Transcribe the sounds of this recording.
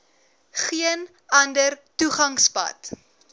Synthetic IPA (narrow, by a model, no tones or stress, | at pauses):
χiən | ɐndərtuχɐŋspɐ̰t